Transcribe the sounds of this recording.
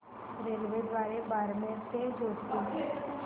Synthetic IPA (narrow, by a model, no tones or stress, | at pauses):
ɾeːlʋed̪ʋaːɾebaːɾmẽɾt̪ed͡ʒoːʈk̪o